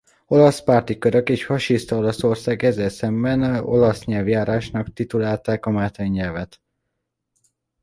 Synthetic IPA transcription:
o̞lɒspaːrt̪ikøɾøkeːʃfɒʃist̪ɒo̞lɒso̞rsaːɡɛzːɛlsɛmbɛno̞̰lɒsɲɛlvjaːɾaːʃnɒkt̪it̪ulaːlt̪aːkɒmaːt̪ɛɲːɛlvɛt̪

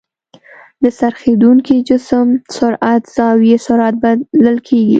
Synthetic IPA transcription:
d̪əsaɾxed̪uŋkid͡ʒʊsəmsʊɾat̪z̥ɑwesʊɾat̪̚baləlkʰeɡḭ

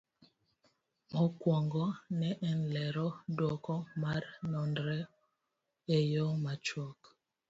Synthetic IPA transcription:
mɔkwɔŋɡɔnɛʔɛnlɛɾɔdwɔkɔmaɾnɔndɾɛ | ejɔmat͡ʃɔk

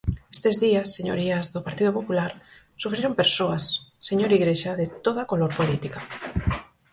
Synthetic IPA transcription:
est̪ezðiasːeɲo̰ɾiazðopaɾt̪iðopopulaɾ | sufɾeɾompeɾsoasːeɲoɾiɣɾeʃaðet̪oð̞akoloɾpolit̪ika

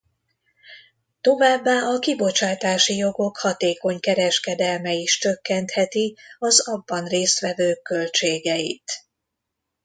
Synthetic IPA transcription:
t̪o̞vaːbːaːɒkibo̞t͡ʃaːt̪aːʃijo̞ɡo̞khɒt̪eːko̞ɲkɛɾɛʃkɛd̪ɛlmɛiʃt͡ʃø̞kːɛnt̪hɛt̪iɒzɒbːɒnreːst̪ʋɛvøːkːø̞lt͡ʃeːɡɛjḭt̪

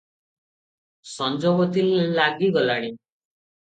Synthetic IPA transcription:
sɔnd͡ʒɔbɔt̪ʰillaɡiɡɔlaɽ̃i

